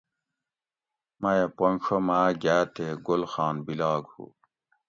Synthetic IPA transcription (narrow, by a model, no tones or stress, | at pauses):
mɐjepoŋʂʰomaːɡaːt̪eɡolxɑːnbilɑːɡhṵː